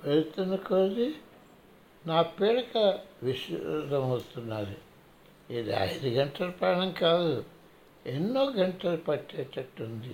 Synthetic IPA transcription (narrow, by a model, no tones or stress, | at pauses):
pɐjt̪ːɐnɐkoːdi | naːpeːɽɐkɐʋiʃd̪ɐmɐwt̪unːaːɾi | iːd̪ḭɐ̰jd̪uɡɐɳʈɐlɐpaːɳɐmkaːd̪u | enːoːɡɐɳʈɐlɐpɐʈːɛːt̪ːɐʈːund̪i